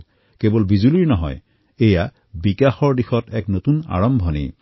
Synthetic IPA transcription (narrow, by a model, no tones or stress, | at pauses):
kebɔlbizuliɹnɔɦɔ̰j | eja | bikaxɔɹdixɔtɛknotuna̰ɹɔmbʱɔnḭ